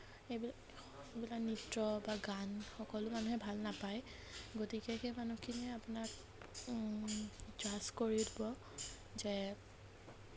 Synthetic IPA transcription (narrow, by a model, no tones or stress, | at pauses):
ebil | ebilaknitɹɔbaɡanxɔkɔlʊmanuhɛbʱalnapaj | ɡotikɛkemanukʰinɛapʊnak̚ | dɹaskoɹiʊdʰʱibɔ | zɛ